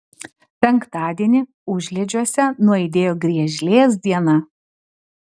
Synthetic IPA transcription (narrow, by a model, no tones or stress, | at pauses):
pʲɛŋkt̪ɑːd̪ʲiɛnʲɪ | ʊʒʲlʲɛd͡ʒʲuɔsʲɛnʊɐɪd̪ʲeːjoːɡɾʲiɛʒʲlʲeːs̬d̪ʲiɛnɐ